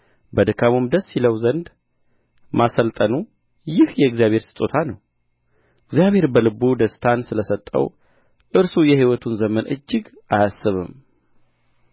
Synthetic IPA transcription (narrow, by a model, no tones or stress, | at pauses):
bəd̪ɨkʰamumd̪əsːiləwzənd̪ | masəlt̪ʼənu | jɪhjɛɨɡzijaβhe̞ɾsɨ̥t̪ʼːot̪ʰanəw | ɨɡzijaβhe̞ɾbəlɨbud̪əst̪ʰansɨləsət̪ʼːə̰w | ʔɨɾsujɛhiwɔt̪ʰunzəmənʔɨ̰d͡ʒːɪɡ | ajasːɨβɨ̰m